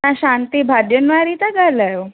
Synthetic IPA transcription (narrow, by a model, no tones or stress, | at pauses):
ãɕant̪ibʱad̪jənʋaɾit̪aɡʱalajo